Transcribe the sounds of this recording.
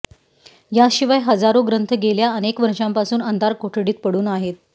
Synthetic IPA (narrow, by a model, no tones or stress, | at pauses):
jaɕiʋajɦəd͡zaɾoɡɾənt̪ʰəɡeljaənekʋəɾʂampasuːnənd̪aɾkoʈʰɽiːt̪̚pəɽuːnaɦet̪̚